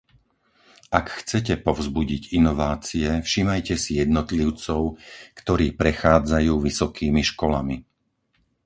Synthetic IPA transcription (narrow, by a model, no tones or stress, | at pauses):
ʔakxt͡sɛcɛpɔvzbuɟiɟinɔʋaːt͡siɛfʃiːmajcɛsijɛd̪nɔt̪liʊt͡sɔʊkt̪ɔɾiːpɾɛxaːd͡zajuːʋisɔkʰiːmiʃkɔla̰mi